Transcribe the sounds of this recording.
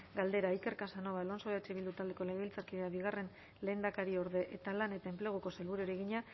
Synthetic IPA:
ɡald̪e̞ɾaike̞ɾkasano̞βalo̞nsoat͡ʃeβild̪ut̪ald̪e̞ko̞leɣilt͡saɾkiðeaβiɣ̞are̞n | le̞ːnd̪akaɾio̞ɾðe̞ʔet̪alane̞t̪ae̞mple̞ɣ̞uko̞selβuɾueɾe̞ɣ̞iɲa

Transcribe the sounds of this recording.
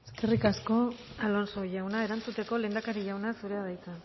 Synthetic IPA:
eske̞rikasko̞ | alo̞nso̞ʝawnae̞ɾant͡sut̪e̞ko̞le̞ːnd̪akaɾiʝawnasuɾe̞aðajt͡sa

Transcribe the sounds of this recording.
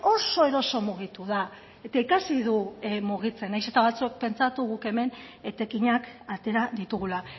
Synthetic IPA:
o̞so̞e̞ɾo̞so̞muɣ̞it̪uða | e̞t̪aikasiðumuɣ̞it͡se̞najse̞t̪aβ̞at͡sue̞k̚pe̞nt͡sat̪uɣuke̞me̞net̪e̞kiɲakat̪e̞ɾaðit̪uɣ̞ula

